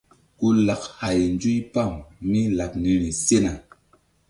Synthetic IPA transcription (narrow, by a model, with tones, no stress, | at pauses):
ku˧la˨kha˨jnd͡ʒu˦jpa˦˨mːi˦la˨p̚ni˧ni˨se˦na˨